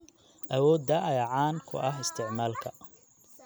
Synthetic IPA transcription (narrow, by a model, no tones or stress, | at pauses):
ʔɐwɔːd̪ɐʔɐjɐʕaːnkʰʊ̰ʔɐɦɪst̪ʰɪʕmaːlkʰɐ